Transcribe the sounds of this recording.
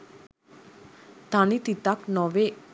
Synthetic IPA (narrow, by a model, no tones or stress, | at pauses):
t̪anit̪it̪aknɔʋe